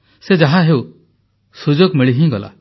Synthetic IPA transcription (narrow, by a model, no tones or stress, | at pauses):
sed͡ʒaɦãɦeu | sud͡ʒoɡmiɭiɦĩɡɔla̰